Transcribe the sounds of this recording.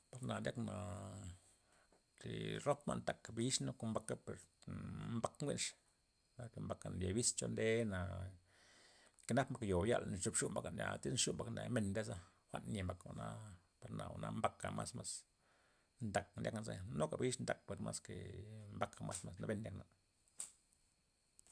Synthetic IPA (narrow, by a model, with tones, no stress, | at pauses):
pa˨ɾna˨ja˦kna˨ | t̪i˨ɾo˦pma̰˦˧nt̪a˨kbi˧˦ʂno˦ko˧mba˧ka˦pe˨ɾ | mba˦kŋɡi˦nʂ | na˨ke˧mba˧ka˨n˨ja̰˨bi˦st͡ʃo˧nd̪e˦na˨ | ke˧na˦pmba˧kjo˨˦ja̰˧˨ln˨t͡ʃu˧pʂu˦mba˧ka˨nʲa̰˨t̪i˦sʂu˦mba˧knḛ˨me˧˨nd̪e˦sa˦ | xʷa̰˦nɲʲe˨mba˨ka˧na˧ | pa˧ɾna˨a̰˨nʔa˧mba˧ka̰˨ma˦sma˦s | nd̪a˨k̚ndʲjʔa̰˦knzḛ˧no˦ka˨bi˦ʂnd̪a˨k̚pe˨ɾma˦ske˨mba˧ka˧ma˦sma˧s̬na˧be˧˦nːnʲja˧˦kna˨